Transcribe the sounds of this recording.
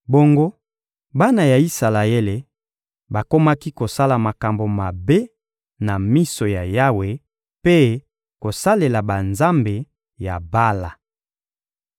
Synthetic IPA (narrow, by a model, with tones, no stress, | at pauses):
bo˦ŋɡo˦ | ba˦na˨ja˨i˦sa˨la˨e˦le˨ | ba˨ko˦ma˦ki˦ko˨sa˦la˨ma˨ka˨mbo˨ma˨be˦ | na˨mi˦so˨ja˨ja˦we˨ | pe˦ | ko˨sa˦le˨la˨ba˨nza˦mbe˨ | ja̰˨ba˦la˨